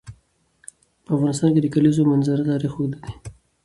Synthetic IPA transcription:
pəafɣɑnɪs̬t̪ɑnked̪əkalizomanzaɾat̪ɑɾixod̪ad̪i̥

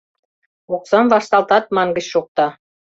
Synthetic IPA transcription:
oksɑmvɑʃt̪ɑlt̪ɑt̪̚mɑnɡə̆t͡ɕʃok̚t̪ɑ

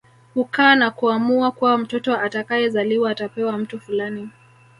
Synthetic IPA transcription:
hukaːnakuamuakuwam̩tɔtɔatakajɛzaliwaːtapɛwam̩tufulani

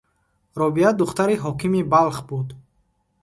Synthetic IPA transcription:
ɾɔbiad̪uχt̪aɾiɦɔkʰimibalχbud̪

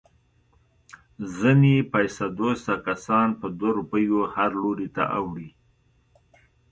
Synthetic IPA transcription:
zənepajsad̪ost̪akasɑnpəd̪waɾupəjohaɾloɾit̪a̰ʔawɽi

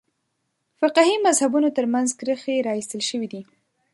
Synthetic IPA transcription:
fɪqhimazhabunot̪əɾmanzkɾəxeɾɑist̪əlʃəwid̪i

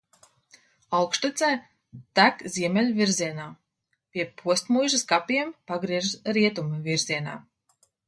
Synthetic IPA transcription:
awkʃt̪ut̪sɛː | t̪ækzʲiɛmʲelʲvʲiɾziɛnaː | pʲiɛpʰuɔst̪mujʒɨskapʲiɛmpaɡɾiɛʒɾiɛt̪umviɾziɛna̰ː

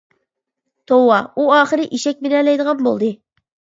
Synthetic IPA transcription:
t̪ʰowːɑuɑːχəɾɪʔiʃɛk̚ʲbelɛlɛjd̪əʁɑnbo̰lˠd̪ɨ

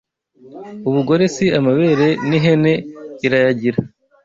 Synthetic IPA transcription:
uβuɡo̞ɾe̞siamaβe̞ɾe̞niɦe̞ne̞iɾajaɟiɾa

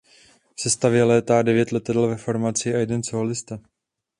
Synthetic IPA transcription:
fsɛst̪avjɛlɛːt̪aːdɛvjɛt̪lɛt̪adɛlvɛfoɾmat͡sɪajɛdɛnsolɪst̪a

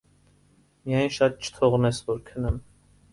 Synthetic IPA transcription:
mijɑjnʃɑt̪̚t͡ʃʰə̥t̪ʰɔʁnɛsvɔɾkʰənəm

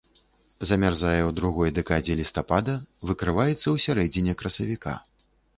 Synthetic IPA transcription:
zɐmʲarzajɛwd̪ɾuɣɔjd̪ɛkad͡zʲɛlʲist̪apad̪ɐvɨkɾɨvajɛt̪sːɐwsʲaɾɛd͡zʲinʲɛkɾɐsɐvʲika̰

